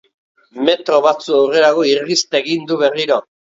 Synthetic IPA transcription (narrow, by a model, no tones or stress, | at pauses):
me̞t̪ɾo̞βat͡suawre̞ɾaɣo̞irist̪aːɣind̪uβe̞riɾo